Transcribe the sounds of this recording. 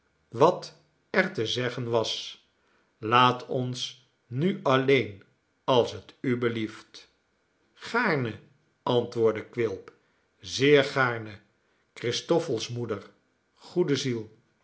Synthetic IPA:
ʋɑt | ɛɹtəzɛχənʋɑs | laːtɔns | nyɑlejn | ɑlˠsətybəlift | χaːɹnə | ʔɑntʋʊːɹdəkʋɪlˠp | zɪːɹχaːɹnə | krɪstɔfəlˠsmudəɹ | χudəzilˠ

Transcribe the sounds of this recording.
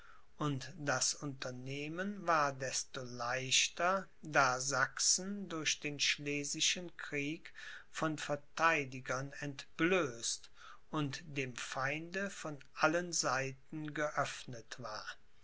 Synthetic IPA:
ʔʊntd̥asʊntɐneːmənvaːɐdɛstolaɪʃtɐ | daːzaksn̩dʊɐʃd̥eːnʃleːzɪʃənkʁ̥iːkfɔnfɛɐtaɪdɪɡɐnɛntb̥løːst | ʔʊntd̥eːmfaɪndəfɔnʔalənzaɪtn̩ɡəʔœfnətv̥aːɐ

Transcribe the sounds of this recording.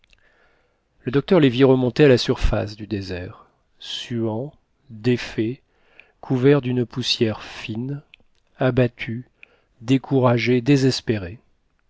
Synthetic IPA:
ləd̪ɔk̚t̪œʁleviʁəmɔ̃t̪ealasyʁfa̰sd̪yd̪ezɛʁ | syɑ̃ | d̪efe | kʰuvɛʁd̪ynpusjɛʁfin | abat̪ʰy | d̪ekʰuʁaʒed̪ezɛspeʁe

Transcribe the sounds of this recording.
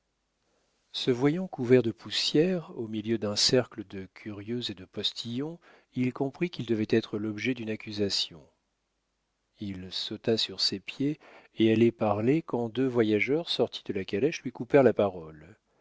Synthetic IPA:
səvwajɑ̃kuvɛʁd̪əpʰusjɛʁomiljød̪ɛ̃sɛʁkləd̪əkʲʰyʁjøzed̪əpɔst̪ʰijɔ̃ | ilkɔ̃pχikʲild̪əvɛt̪ɛt̪χəlɔbʒɛd̪ynakʲyzasjɔ̃ | ilsot̪asyʁsepjeː | alɛpaʁlekɑ̃d̪øvwajaʒœʁsɔʁt̪ʰi̥d̪əlakalɛʃlɥikupɛʁlapaʁɔl

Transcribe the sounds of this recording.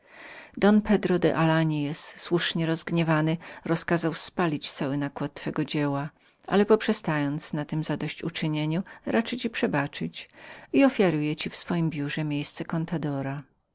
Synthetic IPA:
d̪ɔnpɛd̪ɾɔd̪ɛ̰ʔalaɲijɛsːwuʂɲɛɾɔzɡɲɛvanɘɾɔskazawspalʲit͡ɕt̪sawɘnakwat̪ːfɛɡɔd͡ʑɛwa | ʔa̰lɛpɔpʂɛst̪ajɔnt̪snat̪ɘmzad̪ɔɕt͡ɕut͡ʂɘɲeɲuɾat͡ʂɘt͡ɕipʂɛbat͡ʂɘt͡ɕiɔfʲjaɾujɛt͡ɕifsfɔjimbʲjuʐɛmʲjejst̪sɛkɔnt̪ad̪ɔɾa

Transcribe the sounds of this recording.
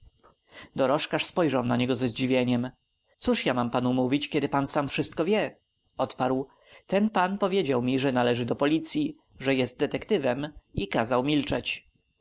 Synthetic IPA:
d̪ɔɾɔʂkaʂspɔjʐawnaɲɛɡɔzɛzd͡ʑivʲjeɲɛm | t̪suʂjamampanumuvʲit͡ɕkʲjɛd̪ɘpansamfʂɘst̪kɔvʲjɛ | ɔt̪paɾw | t̪ɛnpanpɔvʲjed͡ʑawmʲiʐɛnalɛʐɘd̪ɔpɔlʲit̪sʲji | ʐɛjɛst̪̚d̪ɛt̪ɛkt̪ɘvɛmikazawmʲilt͡ʂɛt͡ɕ

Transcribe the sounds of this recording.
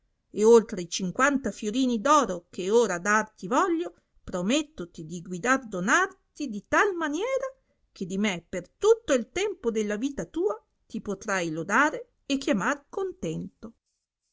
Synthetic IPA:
eolt̪ɾeit͡ʃiŋkwant̪afjoɾiːnid̪ɔːɾokeoːɾad̪art̪ivɔʎːo | pɾomet̪ːot̪id̪iɡwid̪ard̪onart̪id̪it̪almanjɛːɾa | k̟ed̪imepert̪ut̪ːoilt̪ɛmpod̪elːaviːt̪at̪uːa | t̪ipot̪ɾajlod̪aːɾe | ekːjamarkont̪ɛnt̪o

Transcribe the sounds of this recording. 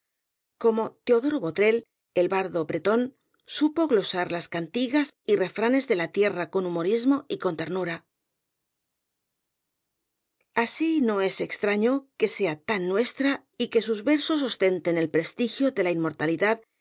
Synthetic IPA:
ko̞mo̞t̪e̞o̞ðo̞ɾoβo̞t̪ɾe̞l | e̞lβaɾðo̞pɾe̞t̪o̞n | supo̞ɣlo̞saɾlaskant̪iɣasire̞fɾane̞zðe̞lat̪je̞rako̞numo̞ɾizmo̞iko̞nt̪e̞ɾnuɾa | asino̞e̞se̞kst̪ɾaɲo̞ke̞se̞at̪anːwe̞st̪ɾa | ike̞suzβe̞ɾso̞s̬o̞st̪e̞nt̪e̞ne̞lpɾe̞st̪ixjo̞ðe̞laimːo̞ɾt̪aliðað

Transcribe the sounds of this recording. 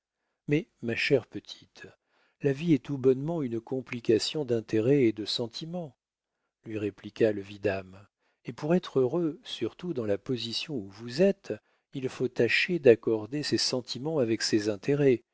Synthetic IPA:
mɛmaʃɛʁpət̪ʰi̥t̪ | laviɛt̪ubɔnmɑ̃ynkɔ̃plikasjɔ̃d̪ɛ̃t̪ʰeʁɛed̪əsɑ̃t̪ʰimɑ̃ | lɥiʁeplikaləvid̪am | epuʁɛt̪χøʁøsyʁt̪ud̪ɑ̃lapɔzisjɔ̃uvuzɛt̪ | ilfot̪aʃed̪akɔʁd̪esesɑ̃t̪ʰimɑ̃avɛksezɛ̃t̪ʰeʁɛ

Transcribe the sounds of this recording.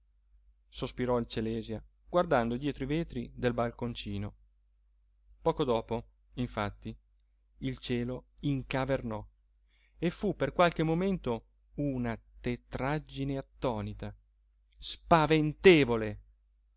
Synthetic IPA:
sospiɾɔilt͡ʃelɛːzja | ɡ̥ward̪and̪od̪jɛːt̪ɾoiveːt̪ɾid̪elbalkont͡ʃiːno | pɔːkod̪ɔːpo | iɱfat̪ːi | ilt͡ʃɛːloiŋkavernɔ | efupːerkwalk̟emoment̪o | unat̪et̪ɾad͡ʒːineat̪ːɔːnit̪a | spavent̪eːvole

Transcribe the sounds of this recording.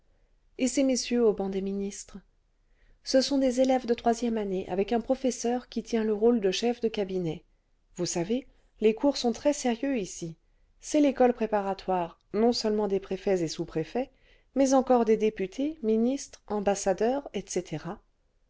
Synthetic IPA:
esemesjøobɑ̃d̪eminist̪χ | səsɔ̃d̪ezelɛvd̪ət̪χwazjɛmaneʔa̰vɛkɛ̃pχɔfɛsœʁkʲit̪jɛ̃ləʁold̪əʃɛfd̪əkabinɛ | vusave | lekuʁsɔ̃t̪χɛseʁjøisi | sɛlekɔlpχepaʁat̪waʁ | nɔ̃sœlmɑ̃d̪epχefɛzesupχefɛ | mɛzɑ̃kɔʁd̪ed̪epyt̪ʰeminist̪χɑ̃basad̪œʁɛt̪set̪ʰeʁa

